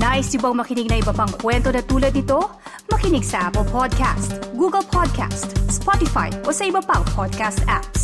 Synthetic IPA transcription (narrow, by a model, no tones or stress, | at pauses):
naːʔɪsjʊbɐŋmɐkɪnɪɡ̚nɐʔɪbɐpɐŋkwɛnt̪o̞nɐt̪uːlɐd̪nɪt̪o̞ | mɐkɪnɪɡsɐʔapɛlpʰod̪̚kʰa̰st̪ɡuːɡɐlpʰod̪̚kʰa̰st̪spot̪ɪfa̰jʔo̞sɐʔɪbɐpɐŋpʰod̪̚kast̪aps